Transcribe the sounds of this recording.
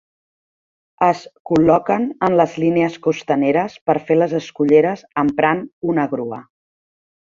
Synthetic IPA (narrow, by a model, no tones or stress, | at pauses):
əskulɔkənənləzlineəskust̪əneɾəspəɾfeləzəskuʎeɾəzəmpɾanunəɣɾuə̰